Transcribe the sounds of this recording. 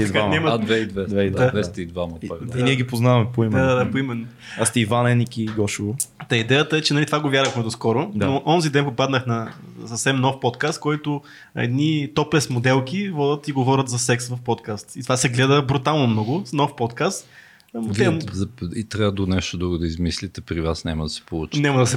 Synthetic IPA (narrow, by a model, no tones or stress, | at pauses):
iɐd̪kamnʲamɐd̪d̪vɛid̪vɛd̪vɛavɛsst̪id̪vamɐɾiniɛɡʲipoznavɐmɛpoimdɛad̪ad̪apoimɛnːo | ast̪ɛivanɛnikiɡɔʃuvʊt̪ɛid̪ɛjət̪əɛt͡ʃɛnɐlit̪ovaɡovjaɾvəkfnɛʊskɔɾʊd̪aoʔɔnzid̪ɛnpopad̪nəxnɐsɐfsɛmnɔfpɔt̪̚kast̪̚kɔjt̪ʊ | ɛ̰d̪nit̪ɔplɛsmod̪ɛlˠkʲivɔd̪ʲət̪iɡovɔɾʲət̪zɐsɛksvɐfpɔt̪kast̪it̪ovasɛɡlɛd̪əbɾut̪alˠnomnɔɡʊnɔfpɔt̪kast̪ | ɛzɐit̪ɾʲaəd̪onɛʃt̪od̪ɾuɡʊd̪ɐizmislit̪ɛpɾivasnamɐd̪ɐsɛ̥polˠut͡ʃnʲamɐd̪ɐsɛ